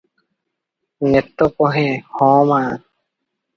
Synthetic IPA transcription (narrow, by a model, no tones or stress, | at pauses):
net̪ːɔpɔɦehɔ̃ma